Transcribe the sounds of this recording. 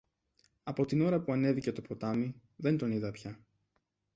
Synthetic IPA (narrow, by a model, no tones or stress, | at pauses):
ɐpo̞t̪ino̞ɾɐpuɐne̞ðice̞t̪o̞po̞t̪ɐmi | ðe̞nd̪o̞niðɐpçɐ